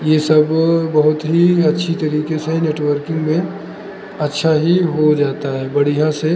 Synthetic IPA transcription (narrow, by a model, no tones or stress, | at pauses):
jesɐbbɐɦʊt̪ɦiɐtːʃʰit̪ɐɾiːkeseneːʈwəɾkɪ̃ŋɡmẽ | ɐtːʃʰaɦiɦod͡ʒaːt̪aɦɛbɐɽ̤iɦãse